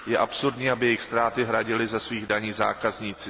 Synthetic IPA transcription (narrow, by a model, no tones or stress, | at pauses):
jɛʔapsuɾdɲiːabɪjɛjxst̪ɾaːt̪ɪɦɾaɟɪlɪzasviːɣdaɲiːza̰ːkazɲit͡sɪ